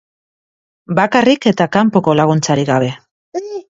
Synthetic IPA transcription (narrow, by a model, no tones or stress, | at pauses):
bakarike̞t̪akampo̞ko̞laɣ̞unt͡saɾiɣaβ̞e̞